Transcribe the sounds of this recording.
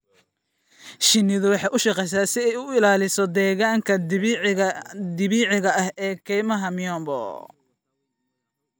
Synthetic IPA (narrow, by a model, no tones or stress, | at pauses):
ʃɪnːɪðʊwɑħɑjʔʊʃɑqɛjs̬aːsɪɛjʊɪlaːlɪsɔd̪ɛːɣaːŋkʰɐ | d̪ɪβiːʕɪɣɐʔɐhɛːkʰɛjmɐɦɐmɪɔmbɔ̰